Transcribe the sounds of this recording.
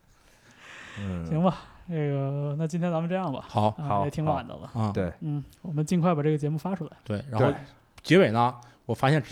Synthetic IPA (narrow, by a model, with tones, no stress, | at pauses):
t͡ɕʰi˧˥ŋbɐ˧ʈ͡ʂe˥˩ɡə˩na˥˩t͡ɕi˥nt̪ʰjnt͡sa˧˥mə˧nʈ͡ʂɤ˥˧jɑ˥˩ŋbɐ̰˩xɑ˨˩˦ʊ˥˧˦jɛ˧˩t̪ʰi˧˥ŋwa̰˨˩nd̪ə̰˦lə̰˧˩t̪e˥˩n̩˥˩wɔ˨˩mə˦nt͡ɕi˥˧ŋkʰwa˩ɪa˨˩ʈ͡ʂɤ˥˩ɡə˩t͡ɕjɛ˧˥mu˥˩fa˥ʈ͡ʂʰu˥˩la˧˦ɪt̪we˥˩ɪɻa˧˥o˥˩ʊ | t͡ɕjɛ˧˥we˨˩ɪnə˦ | wɔ˨˩fa˥ɕjɛ˥˩n